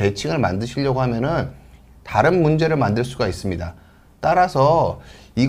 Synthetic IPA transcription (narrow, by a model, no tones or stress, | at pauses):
e̞t͡ɕʰiŋɯɭmandɯɕʰiʎːʌɡoɦamjʌnɯn | taɾɯnmund͡ʑe̞ɾɯɭmandɯɭs͈uɡais͈ɯmɲida | t͈aɾasʰʌiɡ